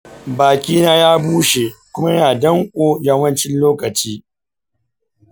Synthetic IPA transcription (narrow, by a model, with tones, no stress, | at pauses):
baː˨kʲiː˦naː˦jaː˦buː˦ʃe˨kʷʊ˦ma˦jaː˨dɐ˦ŋkʷʼoː˦jɐ˦mwɐ˦nt͡ʃɪ˦nloː˦kɐ˨t͡ʃiː˦